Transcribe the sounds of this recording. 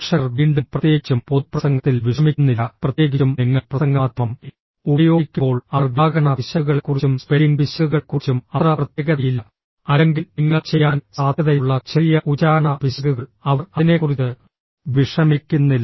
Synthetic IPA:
ʂɐrʋiːɳɖumprɐt̪je̞ːit͡ɕːumpot̪̚prɐsɐŋɡɐt̪ːilʋiʂɐmikʲːunːilːɐprɐt̪jeːɡiumniŋːɐɭprɐsɐŋɡɐːt̪rɐm | ubɐjo̞ːkʲːumo̞ːɭɐɐrʋjaːɡɐɳɐpiɕɐɣɐɭkːurit͡ɕːumspeliŋbiɕjɐɣuɣɐɭkurit͡ɕːumɐt̪rɐprɐt̪jeɣɐðɐjilːɐ | ɐleŋɡilniŋːɐɭt͡ɕejːaːnsaːd̪ʱjɐðɐjuɭːɐt͡ɕɐrijɐʔut͡ɕaːɐɳɐbiɕɐɣuɣɐɭɐʋɐrɐine̞kurit͡ɕɨ | ʋiʂɐmikʲːunːilː

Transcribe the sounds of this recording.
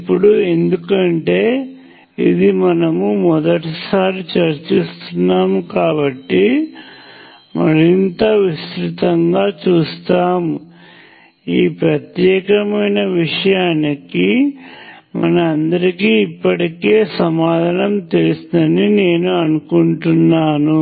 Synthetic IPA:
ipːuɽue̞nd̪ukɐɳʈe̞ː | ḭd̪imɐnɐmumɔd̪ɐʈisaːɾit͡ʃɐɾt͡ʃist̪unːaːmkaːbɐʈːi | mɐɾint̪ɐʋist̪ɾit̪ɐŋɡaːt͡ʃuːst̪aːm | iːpɾɐt̪jɛːkɐmɐjnɐʋiʂɐjaːniki | mɐ̰nɐmɐnd̪ɐɾikiːipːɐʈike̞ːsɐmaːd̪ʱɐnɐmt̪elusind̪ɐnine̞ːnuɐnukuɳʈunːaːnu

